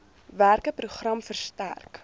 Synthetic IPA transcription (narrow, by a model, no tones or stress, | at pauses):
værkəpruχrɐmfərstæ̰rk